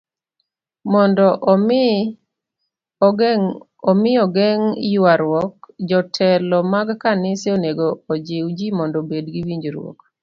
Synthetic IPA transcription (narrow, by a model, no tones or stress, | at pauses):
mɔndɔʔ | ɔmɪɔɡɛŋjwaɾwɔk̚d͡ʒɔtʰɛlɔmaɡkanɪsɪoneɡoːd͡ʒɪwd͡ʒimɔndɔbedɡiwiɲd͡ʒɾwɔ̰k